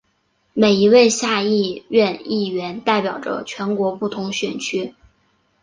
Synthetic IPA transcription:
me˨˩ɪi˧˥we˥˧ɪɕja˥˧i˥˧ɥɛ˥˧ni˥˩ɥɛ˧˥nt̪a˥˩ɪpjɑ˨˩ʊʈ͡ʂə̰˦t͡ɕʰɥɛ˧˥nkwɔ˧˥pu˥˩t̪ʰʊ˧˥ŋɕɥɛ˨˩nt͡ɕʰy˥

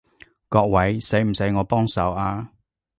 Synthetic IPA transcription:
kɔː˧k̚wɐ˨˥jsɐ˨˥jm̩˨˩sɐ˨˥jŋɔː˨˧pɔː˥ŋsɐ˨˧waː˧

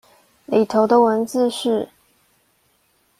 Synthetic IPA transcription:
li˨˩t̪ʰo˧˥ʊd̪ə˧wə˧˦˥nt͡sɹ̩˥˧ʂɻ̩˥˩

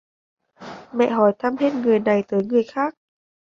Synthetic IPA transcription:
mɛ̰˧˨ɦɔ˧˩jt̪ʰaː˧mhe˦˥t̚ŋɨ˨˩əjna˨˩jt̪əː˨˦jŋɨ˨˩əjxaː˦˥k̚

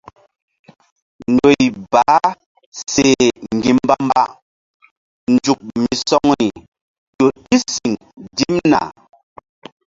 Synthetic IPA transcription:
ŋ̩˨ɡe˨jba˨˦ | se˨ŋ̩˨ɡi˨m˦ba˦m˦ba˦ʔ | n̩˨d͡ʒu˨k̚mi˨sɔ˦ŋi˨ | to˨ | i˦si˨ŋ | di˦mna̰˨

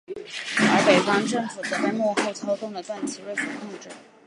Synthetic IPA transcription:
a˞˧˥pe˨˩ɪfɑ˥ŋʈ͡ʂɤ˥˩ŋfu˨˩t̪ə˥pe˥˧ɪmwɔ˥˧xo˥˩ʊt͡sʰɑ˥ʊt̪ʊ˥˩ŋd̪ə˩t̪wa˥˩nt͡ɕʰi˧˥we˥˧ɪxə˧˥t̪ʊ˥˧ŋʈ͡ʂə˥˩

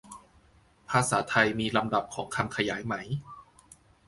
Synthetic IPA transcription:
pʰaː˧saː˩˦t̪ʰa˧jmiː˧la˧mda˨˩p̚kʰɔː˩˦ŋkʰa˧mkʰa˧jaː˩˦jma˦˥j

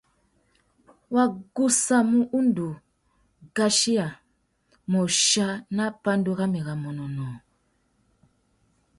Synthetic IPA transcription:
wa˦ɡu˦sa˦mu˦ʔu˦ndu˨ | ɡa˦ʃi˦a˨ | mɔ˨ʃa˦na˦pa˦ndu˦ɣa˦mi˨ɣa˨mɔ˨nɔ˨nɔ˨

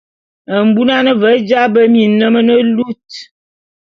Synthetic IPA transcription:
ə˨m̩˨bu˦na˦nə˦və˨˦d͡ʒa˦bə˦mi˨˦nə˦mə˦nə˦lu˦t̚

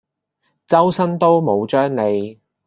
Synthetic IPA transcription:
t͡sɐ˥wsɐ˥nt̪o˥wmo˨˧wt͡ʃœː˥ŋne˨˧j

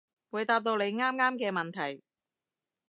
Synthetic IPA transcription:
wuː˨˧˥jt̪aː˧p̚t̪o˧wle˨˧jŋaː˥mŋaː˥mkɛː˧mɐ˨nt̪ʰɐ˨˩j

